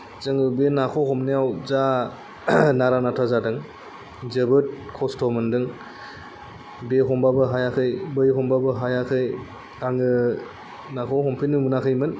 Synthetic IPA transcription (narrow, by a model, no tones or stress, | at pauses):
zɯŋɯbenakʰɔɦɔmnijawza | naɾanatʰazadɯŋ | zɯbɯt̚kʰɔstʰɔmɯndɯŋ | beɦɔmbabɯɦajakʰɯjbɯjɦɔmbabɯɦajakʰɯj | aŋɯ | nakʰɔɦɔmpʰinɯmunakʰɯjmɯn